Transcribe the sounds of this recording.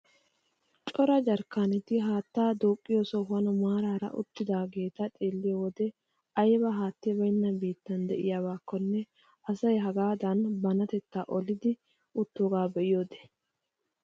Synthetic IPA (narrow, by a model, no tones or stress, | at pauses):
t͡ʃʼɔɾɐd͡ʒɐɾkːaːnɛt̪ɪɦaːt̪ːaːd̪oːkʼːɪjoːsɔɦɐnɔmaːɾaːɾɐ̰ʔʊ̰t̪ːɪd̪aːɡe̞ːt̪ɐt̪ʼe̞ːlːɪjowɔd̪ɛ | ɐjbɐɦaːt̪ːɪjbɐjnːɐbiːt̪ːɐnd̪ɛʔɪjawaːkːɔnːɛ | ʔɐsɐjɦɐɡaːd̪ɐnbɐnɐt̪ɛt̪ːaʔɔlɪd̪ɪ | ʊt̪ːoːɡaːbɛʔɪjoːd̪ɛ̥